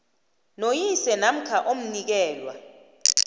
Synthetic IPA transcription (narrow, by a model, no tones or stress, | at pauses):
nojisɛnam̩kʰaʔom̩nik̬ɛːlwa̰